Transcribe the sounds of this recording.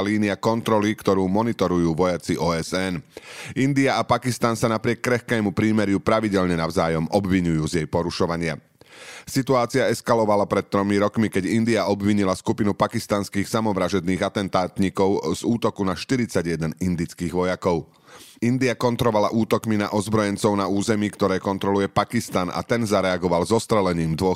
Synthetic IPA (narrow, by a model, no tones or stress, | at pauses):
liːniakɔnt̪ɾɔlikt̪ɔɾuːmɔnit̪ɔɾujuːʋɔjat͡siʔɔːɛzɛnʔind̪iaʔapakist̪ansanapɾɪɛkːɾɛxkɛːmupɾiːmɛɾjupɾaʋiɟɛʎɲɛnaʊzaːjɔmɔbʋiɲujuːzjɛjpɔɾuʃɔʋaɲɪa | sit̪uaːt͡siaɛskalɔʋalapɾɛt̪̚t̪ːɾɔmiɾɔkmikɛɟind̪iaɔbʋiɲilaskupinupakist̪anskiːxsamɔʋɾaʒɛd̪niːɣat̪ɛnt̪aːt̪ɲikɔʊz̥uːt̪ɔkunaʃt̪iɾit͡saɟjɛd̪ɛnind̪it͡skiːɣʋɔjakɔʊ | ind̪iakɔnt̪ɾɔʋalaʔuːt̪ɔkmina̰ʔɔzbɾɔjɛnt͡sɔʊnauːzɛmiːkt̪ɔɾɛːkɔnt̪ɾɔlujɛpakist̪anʔa̰t̪ɛnzaɾɛaɡɔʋalzɔst̪ɾɛlɛɲiːmd̪ʋɔ